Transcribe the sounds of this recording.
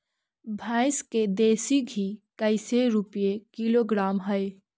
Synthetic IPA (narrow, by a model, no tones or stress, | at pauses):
bʱãɪsked̪eːsiɡʱikəɪseɾupijekiloɡɾaːmɦəj